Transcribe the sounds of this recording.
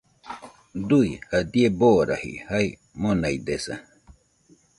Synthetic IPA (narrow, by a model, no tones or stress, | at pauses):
d̪ujhad̪ieboːɾa̰hḭhaj | monajd̪esa̰